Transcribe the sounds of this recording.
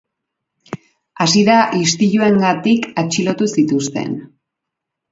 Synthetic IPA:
asiðaʔist̪iʎue̞ŋɡat̪ikat͡ʃilo̞t̪usit̪ust̪e̞̰n

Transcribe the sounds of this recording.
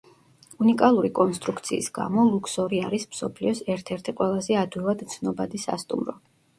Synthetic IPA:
unikʼalˠuɾikʼɔnst̪ʼɾukʰt̪sʰiːsɡ̥a̰mɔlˠukʰsɔɾiaɾismsɔpʰliɔsɛɾt̪ʰɛɾt̪ʰiqʼwɛlˠazɛad̪wilˠad̪t̪sʰnɔbad̪isa̰st̪ʼṵmɾɔ̰

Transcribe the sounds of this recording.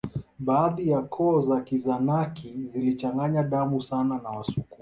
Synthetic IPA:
ɓaːðijakʰɔzakizanakʰizilit͡ʃaŋɡaɲaɗamusananawasuku

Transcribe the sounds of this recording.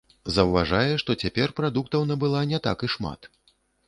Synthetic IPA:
zɐwvaʐajɛʂt̪ɔt͡sʲapʲɛrpɾad̪uk̚t̪ɐwnɐbɨlˠanʲɛt̪a̰kiʂma̰t̪

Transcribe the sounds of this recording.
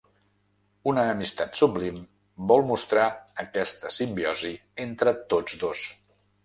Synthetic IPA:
unəːmist̪at̪sublim | bɔlˠmust̪ɾaəkɛst̪əsimbiɔzient̪ɾət̪od͡zd̪os

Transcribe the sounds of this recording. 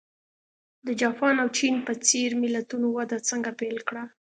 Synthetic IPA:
d̪əd͡ʒɑpɑnawt͡ʃinpət͡seɾmɪlat̪unowad̪at͡səŋɡapelkɽa

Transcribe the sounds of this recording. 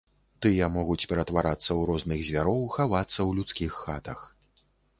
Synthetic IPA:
t̪ɨjɐmɔɣut͡sʲpʲɛɾɐt̪vaɾat̪sːɐwɾɔznɨɣzʲvʲaɾɔwxavat̪sːɐwlʲut̪skʲixːat̪ɐx

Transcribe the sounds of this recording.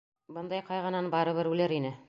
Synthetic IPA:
bɤnd̪ɑjqɑjʁɤ̆nɑnbɑɾɤ̆βɘɾʉlɘɾinɘ

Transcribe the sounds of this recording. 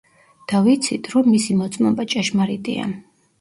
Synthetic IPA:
d̪̥avit̪sʰit̪ʰɾɔmːisimɔt̪sʼmɔmbat͡ʃʼɛʃmaɾit̪ʼḭa̰

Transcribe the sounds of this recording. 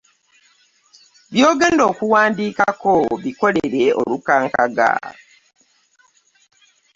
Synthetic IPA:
βjo̞ːɡe̞ːndo̞ːkuwaːndiːkako̞βiko̞leɾeʔo̞̰lukaːŋkaɡa̰

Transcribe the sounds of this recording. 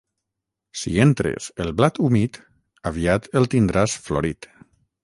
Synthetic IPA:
sḭent̪ɾḛselˠβlat̪umit̪ | aβiat̪elˠt̪ind̪ɾasfloɾit̪

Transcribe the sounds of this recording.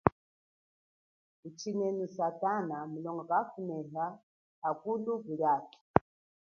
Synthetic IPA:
ut͡ʃʰinɛnusatanamulɔŋɡakafunɛɦa | akuluɡuɺaːti̥

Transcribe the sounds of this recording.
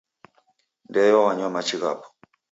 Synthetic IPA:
ndɛjɔwaɲamat͡ʃiɣa̰pɔ̥

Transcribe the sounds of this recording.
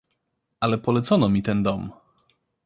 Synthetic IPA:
ʔalɛpɔlɛt̪sɔnɔmʲit̪ɛnd̪ɔm

